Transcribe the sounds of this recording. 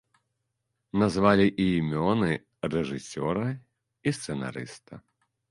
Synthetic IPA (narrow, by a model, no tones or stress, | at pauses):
nazvalʲiʔiːmʲɔnɨ | rɛʐɨsʲɔɾɐ | ist̪sɛna̰ɾɨ̰st̪ɐ